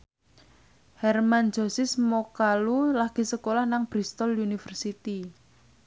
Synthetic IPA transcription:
hɛrman̥d͡ʒɔ̤sɪsmokalulaɡ̥i̤səkolahnaŋb̥ɾist̪ɔljunifərsit̪i

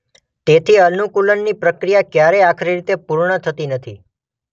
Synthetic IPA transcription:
t̪et̪ʰiənukulənːipɾəkɾijakjaɾeakʰɾiɾit̪epuɾɳət̪ʰət̪inət̪ʰḭ

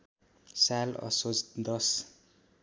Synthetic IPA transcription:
salʌ̰sod͡zd̪ʌs

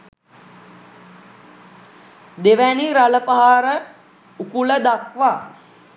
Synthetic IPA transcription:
d̪eʋæniɾaləpaɦaɾə | ukuləd̪akʋaː

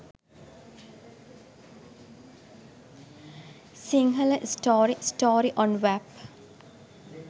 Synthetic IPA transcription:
siŋɡələsʈoːɾisʈoːɾiʔɔ̃nʋæb

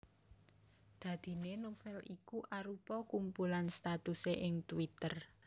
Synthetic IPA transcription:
d̪̥ä̤d̪̥i̤nenofɛlikuʔaɾupɔkumpulanst̪at̪useʔɪŋt̪uwit̪ər

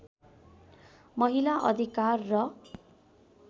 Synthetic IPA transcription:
mʌɦilaʔʌ̰d̪ʱikarːʌ

